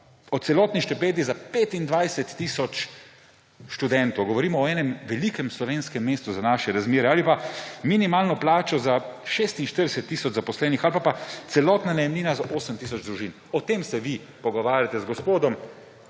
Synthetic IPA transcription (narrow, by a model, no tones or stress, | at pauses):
ɔt̪sɛlɔːt̪niʃt̪ɛpeːd̪izapet̪ind̪ʋajsɛt̪ːiːsɔt͡ʃ | ʃt̪ud̪ɛnt̪ɔwɡɔʋɔɾiːmɔːɛːnɛmʋɛlikɛmslɔʋenskɛmːeːst̪uzanaːʃɛɾazmeːɾɛaːlipaminimaːlnɔplaːt͡ʃɔzaʃeːst̪inʃt̪əɾd̪ɛsɛt̪ːiːsɔd͡ʒzapɔslɛːnixalpapat̪sɛlɔːt̪nanɛjɛmliːnazaʔoːsəmt̪iːsɔd͡ʒd̪ɾuʒiːn | ɔt̪eːmsɛʋi | pɔɡɔʋaːɾʲjat̪ɛzɡɔspoːd̪ɔm